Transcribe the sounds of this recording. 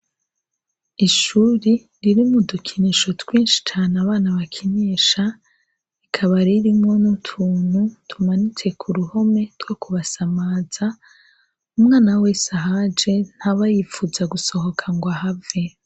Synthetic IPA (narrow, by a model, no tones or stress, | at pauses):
iʃuːɾi | ɾiɾimudukʰiniʃo̞twiːnʃi̥t͡ʃaːnaβaːnaβakʰiniːʃa | ikʰaβaɾiɾimŋo̞nutʰuːn̥hutʰumanit͡se̞kʰuɾuho̞me̞tɡ̥o̞kuβasamaːz̥a | umŋaːnaweːsaɦad͡ʒe̞n̥haβajifuzaɡuso̞ho̞kʰaŋɡwaɦave